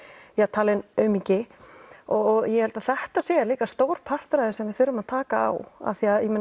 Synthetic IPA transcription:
jat̪ʰaːlɪnœɥmicɪ | ɔɣjɛhɛlt̪aθɛht̪asɛːðaliːkast̪owɾpʰar̥t̪ɾajðɪsɛmvɪðθʏɾːʏmaðt̪ʰaːkaa̰wa̰θiaðjɛmɪn

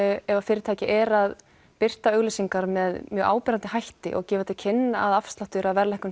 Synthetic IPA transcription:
ɛvafɪːɾɪt̪ʰaːjcɪʔɛɾað | pɪr̥t̪aœɣlesiŋkaɾmɛðmjœːʔa̰ːwpɛːɾant̪ɪhajht̪ɪ̰ʔɔ̰ɣcɛːvat̪ɪlcʰɪnːaaðafst̪laht̪ʏɾaðvɛɾlɛhkʏ

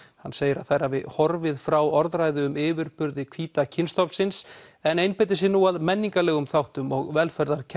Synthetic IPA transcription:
hanseːjɪɾaðθajɾavɪhɔɾvɪðfɾawɔɾðɾaːjðɪʏmɪːvʏɾpʏɾðɪkʰv̥iːt̪acʰɪnst̪ɔpnsɪnsɛnejnpejt̪̬ɪs̬ɪnuaðmɛnːiŋkalɛːɣʏmθawht̪ʏmɔɣvɛlfɛɾðaɾ̥cʰ

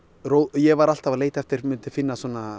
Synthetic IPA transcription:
ɾoːwjɛɣvaɾal̥t̪avaleːjt̪ɛft̪ɪɾ̥mʏnt̪ɪfɪnːasɔːna

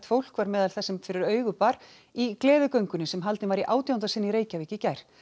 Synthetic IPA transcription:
t̪fowl̥kvaɾmɛːðalθɛsɪmfɪɾɪɾœːɥɣʏpaɾ | iklɛːðʏkœɥŋkʏnʏsɛmɦalt̪ɪnvaɾiʔaːwt̪jawnt̪asɪnːiɾeːjcaviːcɪcajɾ̥

